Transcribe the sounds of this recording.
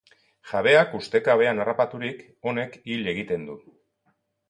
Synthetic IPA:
ʝaβe̞akust̪e̞kaβe̞anarapat̪uɾik | o̞ne̞kiʎe̞ɣ̞it̪e̞nd̪u

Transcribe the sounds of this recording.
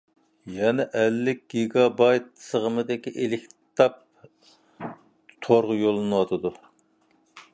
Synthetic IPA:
jɛnɛʔælːɪk̚ʲɡ̥ʲiɡɑbɑjt̪̚səʁəmɨd̪ɪkʲiʔelɪkʲt̪ʰɑp̚ | t̪ʰoɾʁʊjolˠɨnɨwɑt̪ʰɨd̪u

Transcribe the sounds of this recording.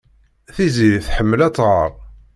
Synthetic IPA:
θiziðiθħəmːəlæt͡sˤːʁəɾˤ

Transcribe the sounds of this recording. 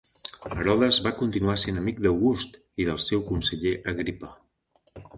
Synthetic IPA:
əɾɔðəzβakunt̪inuasenəmik̚d̪əwɣust̪ | iðəlˠsɛwkunsəʎeʔəɣɾipə

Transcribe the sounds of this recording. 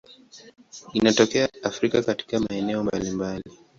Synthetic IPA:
inatɔkɛaafɾikakati̥kamaɛnɛɔmbalimbali

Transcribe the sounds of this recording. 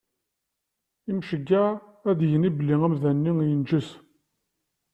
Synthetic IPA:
imʃəɡːaæðjəniblːiŋæmðænːiŋjənd͡ʒəs

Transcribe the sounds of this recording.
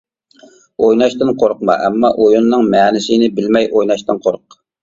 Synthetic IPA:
ojnɑʃt̪ɨnqʰoɾqmɑ̰ʔɛmːɑʔojunːɨŋmɛːnɪsɪnɪbɪlmɛjʔojnɑʃt̪ɨnqʰoɾq

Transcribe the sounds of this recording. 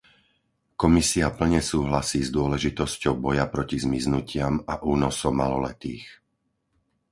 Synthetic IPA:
kɔmisiapl̩ɲɛsuːɦlasiːzd̪ʊɔlɛʒit̪ɔscɔʊbɔjapɾɔcizmiznucɪamaʔuːnɔsɔmalɔlɛt̪iːx

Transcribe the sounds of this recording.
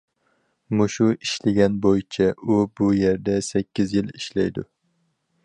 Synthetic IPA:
mʊʃuɪʃlɪɡʲanbojɪt͡ʃʰaʊbʊjeɾd̪asakʲʰːɪzjɪlɪʃlajd̪ʊ̰

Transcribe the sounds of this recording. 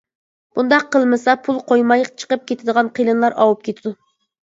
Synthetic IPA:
b̥und̪ɑqʰːəlˠmɨsɑpʰulˠqʰojmɑjt͡ʃʰə̥qəp̚kʲʰet̪ʰɪd̪əʁɑnqʰijlˠɨnlˠɑɾʔɑ̰wup̚kʲʰet̪ʰɪd̪u

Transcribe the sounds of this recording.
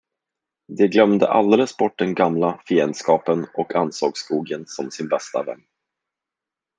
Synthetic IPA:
d̪ɛɡlœmd̪ə̰ʔa̰ld̪eːləsbɔʈ̚ːd̪ɛnɡamlafɪɛnskɑːpənɔkansɔɡskuːɡənsɔmsɪnbɛst̪a̰vɛ̰nː

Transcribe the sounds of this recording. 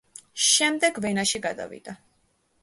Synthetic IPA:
ʃɛmd̪ɛɡvɛnaʃiɡad̪a̰vḭd̪̥a

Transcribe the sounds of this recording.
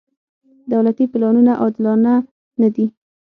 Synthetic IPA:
d̪awlat̪ipɪlɑnunaʔɑd̪ɪlɑna | nad̪i

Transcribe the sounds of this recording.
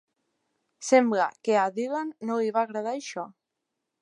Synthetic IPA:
sembla̰keaðilanːoiβaːɣɾaðaeʃɔ

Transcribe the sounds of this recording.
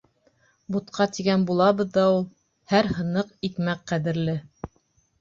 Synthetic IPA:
but̪qʰɑt̪iɡænbulˠɑβɤ̆ðːɑulˠ | hæɾhɤ̆nɤqikmæq̚qæðɘ̆ɾlɘ

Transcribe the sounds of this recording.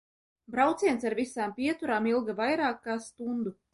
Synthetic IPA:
bɾawt̪siɛnsaɾvisaːmpʲiɛt̪uɾaːmilˠɡavajɾaːkːaːst̪und̪u

